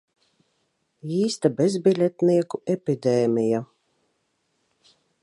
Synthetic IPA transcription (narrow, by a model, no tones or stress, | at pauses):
iːst̪abʲezbʲilʲɛt̪niɛkuɛpʲid̪ʲɛːmʲija